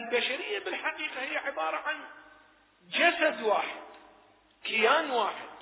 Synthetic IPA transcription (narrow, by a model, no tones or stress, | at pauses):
ʔlbaʃaɾɪjːabɪlħaqiːqahɪjːaʕɪbɑːɾˤɑʕan | d͡ʒasad̪waːħɪd̪ | kɪjaːnwaːħɪd̪̥̚